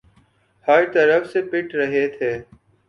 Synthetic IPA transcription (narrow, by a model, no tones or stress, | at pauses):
həɾt̪əɾəfseːpɪʈɾəɦeːt̪ʰeː